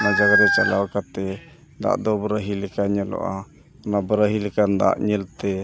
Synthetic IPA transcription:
nad͡ʒaɡaɾɛt͡ʃalawkat̪ɛ | d̪a̰ʔd̪ɔbəɾaɦilɛkaɲalɔ̰ʔa | nabəɾəɦilɛkand̪a̰ʔɲilt̪ɛ

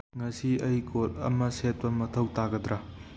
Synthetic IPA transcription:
ŋɐsiɐjkʰotɐ̰mɐset̚pɐmɐtʰɐwtaɡɐd̪ɾa

